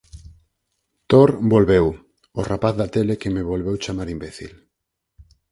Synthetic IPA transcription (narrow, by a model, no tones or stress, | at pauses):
t̪oɾbolβew | orapaθðat̪elekemeβolβewt͡ʃamaɾimbeθḭl